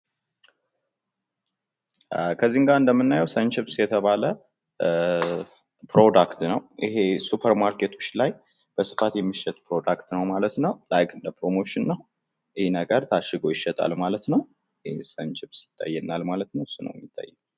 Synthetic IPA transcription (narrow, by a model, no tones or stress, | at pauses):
kʰəzːiŋɡaɨnd̪əmːɨnːajɛwsənt͡ʃɪpsjɛt̪ʰəβalə | pʰɾo̞d̪akt̪nəwʔihesupʰəɾmaɾkʰet̪ʰo̞̥t͡ʃːlaj | b̥əsɨ̥fat̪jɛmːiʃːɛt̪ʼpɾo̞d̪akt̪nəwmalət̪nəwlajkʰɨnd̪əpɾo̞mo̞ʃɪnːəw | ʔɪhnəɡəɾt̪ʰaʃːɨɡo̞jɪʃːɛt̪ʼa̰lmalət̪nəw | esənt͡ʃɪpsjɪ̥t̪ʰʼːa̰jːɛnːalmalət̪nəwsunə̰wjɛmːɪt̪ʰʼːa̰jːɛ